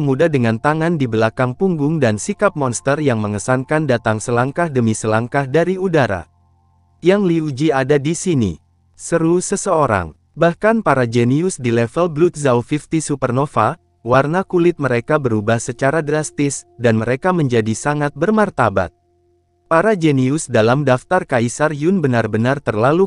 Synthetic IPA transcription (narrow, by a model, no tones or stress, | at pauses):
əmudadəŋant̪aŋandibəlakaŋpuŋɡʊŋdansikap̚mɔnst̪ərjaŋməŋəsankandat̪aŋsəlaŋkahdəmisəlaŋkahdaɾiudaɾa̰ | jaŋliud͡ʒiadadisinḭ | səɾusəsəoɾa̰ŋ | bahkanpaɾad͡ʒɛniʊsdilɛfəlblut̪̚zawfift̪isupərnofa | warnakulɪt̪̚məɾekabəɾubahsət͡ʃaɾadɾast̪ɪsdanməɾekaməɲd͡ʒadisaŋat̪̚bərmart̪aba̰t̪̚ | paɾad͡ʒɛniʊsdalamdaft̪arkaisarjʊnbənarbənart̪ərlalu